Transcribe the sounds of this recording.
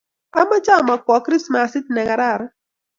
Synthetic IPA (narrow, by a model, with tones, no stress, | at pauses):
a˦ma˦t͡ʃa˦˨ma˨kwɔ˨˦kɾi˦sma˨si˦tnɛ˨ka˨ɾa˦˨ɾ